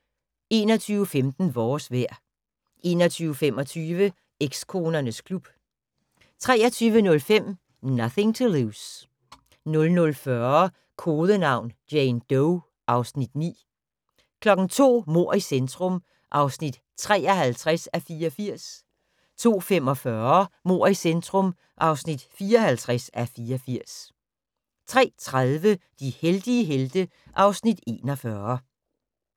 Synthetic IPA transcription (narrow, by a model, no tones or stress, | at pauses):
e̝ːnɒt͡sʰyːʊəfemd̥n̩ʋɒːsʋæɐ̰ | ʔe̝ːnɒt͡sʰyːʊəfem̰ɒ̽t͡sʰyːʋə | eɡ̥skʰo̝ːnɐnəskʰlub̥ | t͡sʰʁɛːɐt͡sʰyːʋənɔ̽lfem̰ | nʌθɪ̝ŋt͡sʰuluːs | nɔ̽lnɔ̽lfɶɐ | kʰo̝ːðˠənɑ̈ʊ̰nd̥jeɪnd̥ɔʊ | ʔɑ̈ʊsnid̥nḭː | kʰlɒ̽ɡ̥n̩t͡sʰo̝̰ːmo̝ɐ̰isend̥ʁɔm | ʔɑ̈ʊsnid̥ | t͡sʰʁɛ̰ːɐhælt͡sʰʁasæfiːɐɒfiɐ̰s | t͡sʰo̝̰ːfemɒ̽fɶɐmo̝ɐ̰isend̥ʁɔ̽m | ʔɑ̈ʊsnid̥fiːɐɒhælt͡sʰʁasæfiːɐɒfiɐ̰s | t͡sʰʁɛ̰ːt͡sʰʁaðˠʋəd̥iheld̥iəɦeld̥ə | ʔɑ̈ʊsnid̥e̝̰ːnɒ̽fɶːɐ